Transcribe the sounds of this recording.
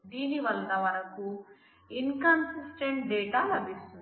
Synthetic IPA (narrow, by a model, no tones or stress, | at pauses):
d̪iːniʋɐlnɐʋɐnɐku | inkɐnsisʈeɳʈɖɛːʈaːlɐbʱist̪und̪i